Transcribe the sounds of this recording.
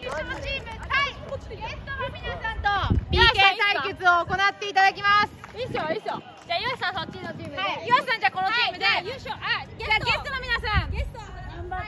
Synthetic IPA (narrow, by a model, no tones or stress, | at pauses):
ot͡ɕimaiɡest̪mʲinsãnt̪obʲĩkẽsaikɯt͡sɨoːko̞nat̪ːe̞it̪ad̪ak̬ʲimasɨ̥isjoiso | d͡ʑajosisãsot͡ɕːinot͡ɕiːmɯaejɕisãɲd͡ʑaːkonot͡ɕiːmɯ̟d̪ejoaɡeaːɡest̪onomʲinasãŋɡest̪